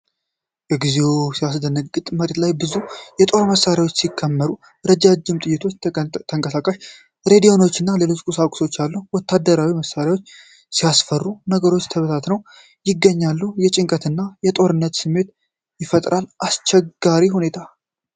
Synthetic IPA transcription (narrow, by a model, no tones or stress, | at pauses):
jɛɡize̞wusijasd̪ənəɡʼɨt̪ʼməɾe̞t̪lajbɨzujɛt̪ʼo̞ɾməsːaɾjawo̞t͡ʃːsikʰːəmːəɾu | ɾəd͡ʒad͡ʒːɪmt̪ʼɨjːɪt̪ʰo̞t͡ʃːt̪ʰəŋkʼəsakʼaʃ | ɾe̞d̪io̞no̞t͡ʃːɨnːale̞lo̞t͡ʃkʼusakʼso̞t͡ʃːalːuhwɔt̪ːad̪ːəɾawiməsaɾjawo̞t͡ʃː | sijasfərːunəɡəɾo̞t͡ʃːt̪ʰəβət̪ʰat̪nəw | jɪɡːəɲːalːujɛt͡ʃʼɪŋkʼət̪ɨnːajɛt̪ʼo̞ɾɨnːət̪sɨmːe̞t̪ | jɪfət̪ʼɾalast͡ʃɛɡaɾihune̞t̪ʰa